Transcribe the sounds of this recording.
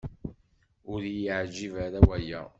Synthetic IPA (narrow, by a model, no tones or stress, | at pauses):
ʊɾjʕd͡ʒivaɾawæjæ̰